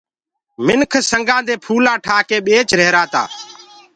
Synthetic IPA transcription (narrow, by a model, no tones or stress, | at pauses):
mɪnkʰsəŋɡãːd̪eːpʰuːlãːʈʰaːkeːɓeːt͡ʃɾeːɾaːt̪a̰ː